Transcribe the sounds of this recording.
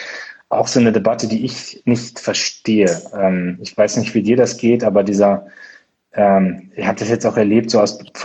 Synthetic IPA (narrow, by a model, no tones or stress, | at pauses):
ʔaʊxz̥oːnədebatədiːɪçnɪçtfɛɐʃteːəʔɛːmɪçv̥aɪsnɪçtv̥iːdiːɐɾasɡ̥eːtʔaːbɐdiːzɐ | ʔɛːmɪhaːbəd̥asjɛt͡staʊxɛɐleːp̚tz̥oːaʊsf